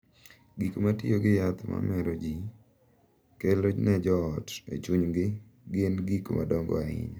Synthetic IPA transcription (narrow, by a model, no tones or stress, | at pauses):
ɡikmatɪ̰oɡɪjat̪ma̰mɛɾod͡ʒi | kelod͡ʒnɛd͡ʒɔɔtḛt͡ʃuɲɡɪ | ɡɪnɡikma̰dɔŋɡɔ̰aɪ̰ɲɔ